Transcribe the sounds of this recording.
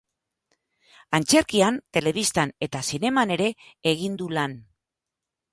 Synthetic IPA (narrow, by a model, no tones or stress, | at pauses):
ant͡se̞ɾkiant̪e̞le̞β̞ist̪ane̞t̪asine̞mane̞ɾe̞ːɣ̞ind̪ulan